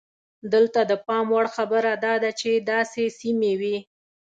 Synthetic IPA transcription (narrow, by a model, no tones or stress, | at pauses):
d̪əlt̪ad̪əpɑmwaɽxabəɾad̪ɑd̪at͡ʃed̪ɑsesimewi